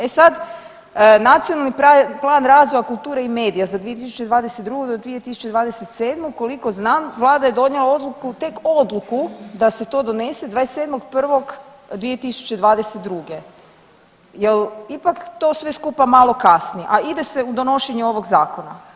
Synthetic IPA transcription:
e̞sad̪ | nat̪sionalˠnipaplˠaːnɾaːzʋo̞jakulˠt̪uːɾeimeːd̪ijazad̪ʋiet̪isu̥t͡ɕe̞d̪ʋaːd̪eset̪̚d̪ɾuɡud̪od̪ʋije̞t̪isu̥t͡ɕe̞d̪ʋaːd̪eset̪se̞ːd̪moko̞liko̞znaːmʋlˠaːd̪aje̞d̪o̞ɲelˠao̞d̪lukut̪e̞ko̞d̪lukud̪ase̞t̪o̞ːd̪o̞ne̞se̞d̪ʋaːese̞ːd̪moɡpr̩ʋo̞ɡ | d̪ʋije̞t̪isu̥t͡ɕe̞d̪ʋaːd̪eset̪̚d̪ɾuɡe | jelipakt̪o̞sʋe̞skupamalˠo̞kasniḛʔaid̪e̞se̞ud̪o̞no̞ʃeɲeo̞ʋo̞ɡzaːko̞na

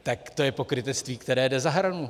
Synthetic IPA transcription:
t̪akt̪o̞jɛpo̞kɾɪt̪ɛt͡st̪viːkt̪ɛɾɛːdɛzaɦɾanu

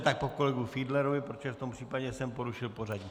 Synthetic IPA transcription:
t̪ak̚pokolɛɡufiːd̪lɛɾovɪpɾot̪oʒɛft̪ompr̥iːpaɟɛsɛmpoɾuʃɪlporaɟɲi

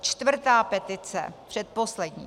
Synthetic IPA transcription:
t͡ʃt̪vr̩t̪aːpɛt̪ɪt͡sɛ̰pr̝̥ɛt̪̚poslɛdɲḭː

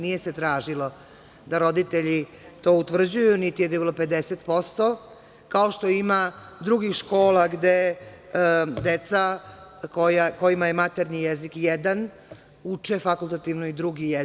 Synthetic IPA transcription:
nije̞set̪ɾaːʒilo̞ | d̪aɾo̞d̪it̪eʎi | t̪o̞ːut̪ʋr̩d͡ʑujunit̪ijed̪ibilˠope̞d̪eset̪po̞st̪o̞ | kao̞ʃt̪o̞imad̪ɾuɡixʃko̞ːlaɡd̪e | d̪et̪sakojako̞jimaje̞mat̪eɾnijezikjed̪an | ut͡ʂefakulˠt̪at̪iʋnoid̪ɾuɡije

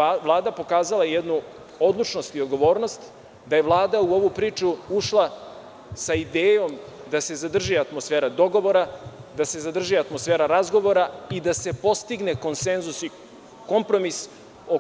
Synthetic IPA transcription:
vlˠaːd̪apo̞kaːzalajed̪nu | o̞d̪lˠut͡ʃno̞st̪iod̪ɡo̞ʋo̞ːɾno̞st̪ | d̪aje̞ʋlˠaːd̪auoʋupɾiːt͡ʃuuʃlˠa | said̪eːjo̞m | d̪ase̞zad̪r̩ʒiat̪mosfeːɾad̪o̞ɡo̞ʋo̞ɾad̪ase̞zad̪r̩ʒiat̪mosfeːɾaɾazɡo̞ʋo̞ɾaid̪ase̞po̞st̪iɡne̞ko̞nsenzusi | ko̞mpɾo̞mis | o

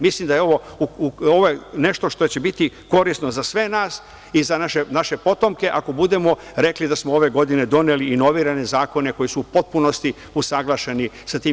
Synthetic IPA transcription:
mislimd̪ajeo̞ʋo̞uoʋojene̞ʃt̪o̞ʃt̪o̞et͡ɕe̞bit̪i | ko̞ɾisno̞zasʋe̞naːs | izanaʃenaʃe̞po̞t̪o̞mke̞ʔako̞bud̪e̞mo̞ | ɾe̞klid̪asmoo̞ʋe̞ɡo̞d̪ine̞d̪o̞neliino̞ʋiːɾane̞zaːko̞ne̞ko̞jisuupo̞t̪̚puno̞st̪i | usaɡlˠaʃe̞ni | sat̪iːm

